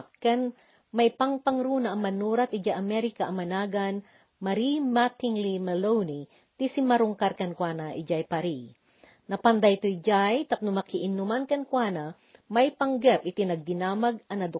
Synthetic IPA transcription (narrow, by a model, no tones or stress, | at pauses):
kɛn | mɐjpɐŋpɐŋɾunɐʔɐŋmɐnuɾɐt̪ʔɪd͡ʒaʔɐmɛɾɪkaʔɐmɐnaːɡan | mɐɾimat̪ɪŋlimɛlowni | t̪isɪmɐɾʊŋkaɾkɐnkwanɐʔɪd͡ʒajpaɾi | nɐpɐnd̪ajt̪ojd͡ʒajt̪ɐp̚nʊmɐkɪʔɪnʊmankɐnkwanɐ | mɐjpɐŋɡɛpɪt̪ɪnɐɡ̚d̪ɪnaːmɐɡʔɐnɐd̪ʊ